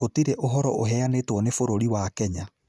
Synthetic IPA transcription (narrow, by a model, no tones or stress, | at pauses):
otiɾɛʔoɦɔɾɔʔoɦɛanetwɔnefoɾoɾiwakɛɲa